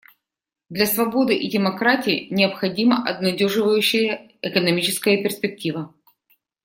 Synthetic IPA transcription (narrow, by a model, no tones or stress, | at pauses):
d̪lʲɐsvɐbo̞d̪ɨʔɪdʲɪmɐkɾatʲɪːnʲɪəpxɐdʲiməʔɐb̚nɐdʲoʐɨvəjʉɕːɪjə | ɪkənɐmʲit͡ɕɪskəjəpʲɪrspʲɪk̚tʲivə